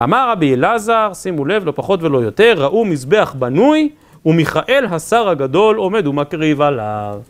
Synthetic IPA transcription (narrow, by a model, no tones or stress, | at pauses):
a̰maʁʁabielazaʁsimule̞vlo̞paχo̞t̪ve̞lo̞jo̞te̞ʁːaʔumisbe̞aχbanuj | umiχaʔe̞lɦasaʁhaɡad̪o̞lo̞me̞d̪umakʁivalav